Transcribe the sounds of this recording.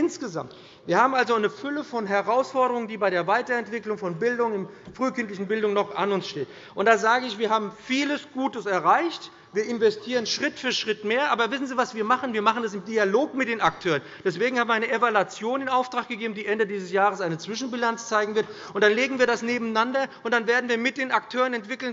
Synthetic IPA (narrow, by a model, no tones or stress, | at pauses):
ʔɪnsɡ̥əza̰mt | v̥iːɐhaːbm̩alzoaɪnəfʏləfɔnɦɛʁaʊsfɔɐɾəʁʊŋəndiːbaɪɾeːɐvaɪtɐɛntv̥ɪklʊŋfɔnbɪldʊŋɪmfʁ̥yːkɪntlɪçn̩bɪldʊŋnɔχʔanʊnsʃteːt | ʔʊntd̥aːzaːɡəɪçv̥iːɐɦaːbm̩fiːləsɡ̥uːtəsɛɐʁaɪçt | viːɐʔɪnvɛstʰiːʁ̞ənʃʁ̥ɪtfyɐʃʁ̥ɪtmeːɐʔaːbɐvɪsn̩ziːvasv̥iːɐmaχən̩viːɐmaχn̩das̬ɪmdialoːkmɪt̚d̥eːnak̚tʰøːʁənd̥ɛsv̥eːɡŋ̩haːbm̩ːɐaɪnəʔevalat͡sjoːndeːnaʊftʁ̥aːk̚ɡ̥əɡeːbm̩diːʔɛndədiːzəsjaːʁəsʔaɪnət͡sv̥ɪʃn̩bilant͡st͡saɪɡŋ̩vɪɐt | ʊntd̥anleːɡŋ̩viːɐɾasneːbm̩nandɐʔʊntd̥anveːɐdn̩viːɐmɪt̚d̥eːnak̚tʰøːʁənɛntv̥ɪkl̩n